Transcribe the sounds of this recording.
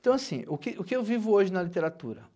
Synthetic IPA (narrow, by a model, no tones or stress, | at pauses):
t̪ɐ̃w̃asḭ̃ʊkɪʔʊkɪewvivʊoʒɪnɐlit̪eɾat̪ṵɾɐ̰